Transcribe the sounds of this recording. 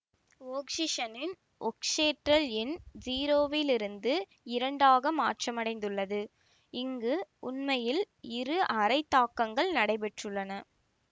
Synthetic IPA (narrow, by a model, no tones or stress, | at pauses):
oːkʂɪʂɐnɪn | ʔɔkʂeːʈrɐlɪnd͡ʒiːɾoːʋɪlɪɾɯnd̪ɯ | ɪɾɐɳɖaːɣɐmaːʈrɐmɐɽɐɪnd̪ɯɭːɐðɯ | ɪŋɡɯʊnmɐjɪl | ɪɾɯʔɐɾɐɪt̪ːaːkːɐŋɡɐɭnɐɽɐɪpɛʈrɯɭːɐnɐ